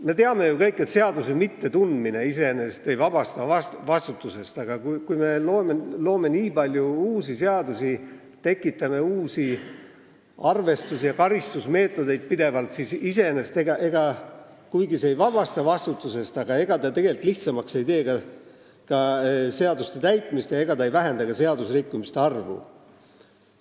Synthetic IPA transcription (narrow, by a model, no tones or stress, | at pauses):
me̞t̪eɑme̞jukɤjkːˑe̞t̪se̞ɑd̪us̬emit̪ːe̞t̪und̪mine̞ise̞ene̞st̪e̞jvɑb̥ɑst̪ɑɑsvɑst̪ut̪ːˑuse̞st̪ɑɡ̥ɑkukujme̞lo̞ːmelo̞ːme̞niːbɑlʲjuuːsise̞ɑd̪usi | t̪e̞kˑːit̪ːˑɑme̞uːsi | ɑrve̞st̪usijɑkɑɾist̪usme̞ːt̪ːˑo̞d̪e̞jd̪̥̚pid̪e̞vɑlt̪sisise̞enest̪e̞ɡɑʔe̞ɡ̥ɑ | kujɡiseejvɑbɑst̪ɑvɑst̪ut̪ːˑuse̞st̪ɑɡ̥ɑe̞ɡ̥ɑt̪ɑt̪e̞ɡ̥e̞lit̪ːˑliht̪sɑmɑkse̞jt̪e̞ːkɑ | kɑseɑd̪ust̪et̪æjt̪ˑmist̪jɑe̞ɡ̥ɑt̪ɑejvæɦe̞nd̪̥ɑkɑse̞ɑd̪usrikːumist̪e̞ɑrvṵ